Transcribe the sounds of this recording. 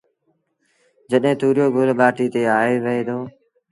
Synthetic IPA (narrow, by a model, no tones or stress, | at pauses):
d͡ʒəɗɦẽːt̪uːɾjoːɡʱʊlɓaːʈiːt̪eːaːeːʋəɦeːd̪oː